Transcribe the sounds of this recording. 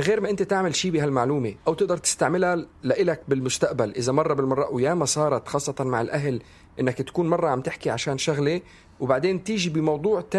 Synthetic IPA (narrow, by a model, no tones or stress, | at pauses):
ɣeːɾmaʔɪnt̪et̪aʕmɪlʃiːbɪɦalmaʕluːmeʔawt̪ɪʔd̪ɑɾˤt̪ɪ̥st̪aʕmɪlalaʔɪlakbɪlmʊst̪aʔbalʔɪzamɑrˤːɑbɪlmɑrˤːɑʔwjaːmasˤɑːɾˤɑt̪xɑːsˤːɑt̪ɑnmaʕɪlʔaɦl | ʔɪnːakt̪ḁkuːnmɑrˤːɑʕamt̪ɪħkiʕaʃaːnʃaɣle | wbaʕd̪eːnt̪iːʒibɪmɑwd̪ˤuːʕt̪a